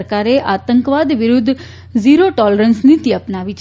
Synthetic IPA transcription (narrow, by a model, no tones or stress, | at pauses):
ɾkaɾeʔat̪ə̃ŋkʋad̪ʋɪɾʊd̪ʱː | ziɾoʈɔləɾənsnit̪iəpnaʋit͡ʃ